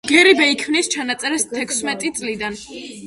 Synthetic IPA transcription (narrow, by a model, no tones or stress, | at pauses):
ɡ̥ɛɾibɛikʰmnist͡ʃʰanat̪sʼɛɾɛst̪ʰɛkʰsmɛt̪ʼit̪sʼlid̪an